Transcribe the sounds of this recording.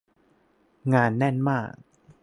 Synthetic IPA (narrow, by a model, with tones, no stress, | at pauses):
ŋaː˧nːɛ˥˩nmaː˥˩k̚